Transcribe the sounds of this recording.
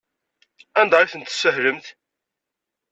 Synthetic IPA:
ænd̪ɑɾiθənt̪sːəhɾəmθ

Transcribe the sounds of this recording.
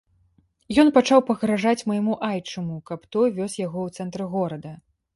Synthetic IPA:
jɔnpat͡ʂawpɐɣɾaʐat͡sʲmɐjmuʔajt͡ʂɐmukɐpt̪ɔjvʲɔsjaɣɔwt̪sɛnt̪ɾɨɣɔɾɐd̪ɐ

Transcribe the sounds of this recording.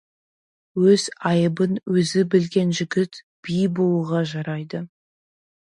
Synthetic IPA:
wɵz̥ɑjəbənwɵzɪbɪlɡʲe̞nʒɪɡʲɪt̪ | b̥ijbo̞lˠuʁɑʒɑɾɑjd̪ə

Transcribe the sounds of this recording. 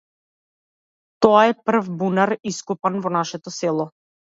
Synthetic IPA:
t̪ɔaɛpr̩vbunaɾiskupanvɔnaʃɛt̪ɔsɛlˠɔ

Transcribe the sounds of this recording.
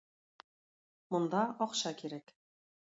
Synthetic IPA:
mŏnd̪ɑɒqɕɑkiɾæk

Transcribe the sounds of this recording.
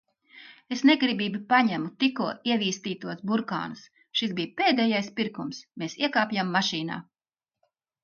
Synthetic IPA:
esneɡɾibiːbipaɲæmut̪ikuɔiɛviːst̪iːt̪uɔsbuɾka̰ːnus | ʃisbiːjpeːd̪ejajspʲiɾkumsmeːsiɛkaːpʲjamːaʃiːna̰ː

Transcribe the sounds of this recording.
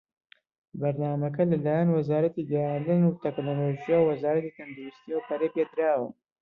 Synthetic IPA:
bɐɾnaːmɐk̬ɐlɐlaːjanwɐzaːɾɐt̪iɡɛjand̪ɨnut̪ɛknoloːʒijawwɐzaːɾɐt̪it̪ʰɐnd̪uɾust̪ijəwpʰɐɾeped̪ɨɾaːwɨ̰

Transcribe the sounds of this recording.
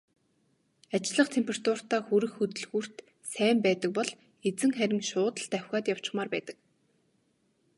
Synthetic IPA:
at͡ɕɮə̆χt̪ʰempʲʰerat̪ʊr̥t̪aːxɵɾɘ̆xːɵt̪ɵ̆ɮɣur̥t̪ | sæːmpæːt̪ə̆k̚pɔɮ | et͡sɘ̆ŋχæɾʲɪ̆ŋʃʊːt̪ə̆ɬɮt̪æwʲxʲaːt̪jaw̥t͡ɕɪ̥̆χmaːrpæ̰ːt̪ə̆k

